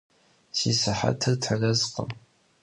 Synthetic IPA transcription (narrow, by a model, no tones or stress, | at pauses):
siːsɨħa̰tʰɨrtʰɐrɐzqə̰m